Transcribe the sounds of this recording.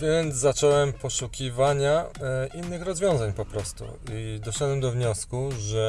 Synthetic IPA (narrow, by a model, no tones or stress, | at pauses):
vʲjɛnt̪zzat͡ʂɔwɛmpɔʂukʲivaɲaʔinːɘxɾɔzvʲjɔ̃w̃zaɲpɔpɾɔst̪ṵid̪ɔʂɛd̪wɛmd̪ɔvɲɔskuʐɛ